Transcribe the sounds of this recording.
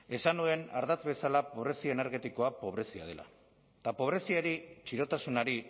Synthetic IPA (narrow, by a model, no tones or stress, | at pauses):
e̞sanue̞na̰ɾðat͡sβe̞salapo̞β̞ɾe̞siaene̞ɾɣe̞t̪iko̞apo̞β̞ɾe̞sia̰ð̞e̞̰la̰ | t̪apo̞β̞ɾe̞siaɾit͡ʃiɾo̞t̪asunaɾi